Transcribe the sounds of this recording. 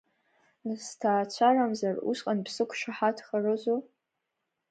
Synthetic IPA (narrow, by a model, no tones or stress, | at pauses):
nɨstʰaːt͡ɕʷʰaramzarṵsqʼanpʰsɨkʷʰʂaħatʰχarɨʒʷo